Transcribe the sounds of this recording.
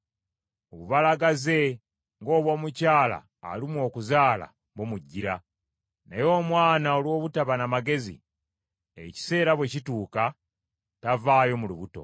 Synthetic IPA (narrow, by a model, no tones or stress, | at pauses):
oβuβalaɡaze̞ | ŋɡo̞ːβwo̞ːmucaːla̰ːlimwo̞ːkuzaːla̰ | βomuɟːiɾa | nejo̞ːmwaːnaolwo̞ːβutaβanamaɡe̞zḭ | ḛci̥se̞ːɾaβwe̞cituːka | tavaːjo̞muluβuto̞̰